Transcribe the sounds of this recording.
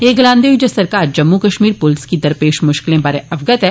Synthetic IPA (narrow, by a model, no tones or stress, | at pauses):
eːɡlãːnd̪eːʋid͡ʒesɐɾkaːɾd͡ʒɐmːukɐʃmiːɾpʊlɪskid̪ɐɾpeːʃmʊʃkɪlẽbaːɾeɐʋɡət̪ɦɛː